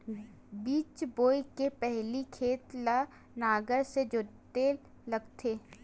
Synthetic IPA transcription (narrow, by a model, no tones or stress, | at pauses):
biːt͡ʃboːikepɛɦlikʰeːt̪la | naːɡəɾsed͡ʒot̪eː | lɐɡt̪ʰeː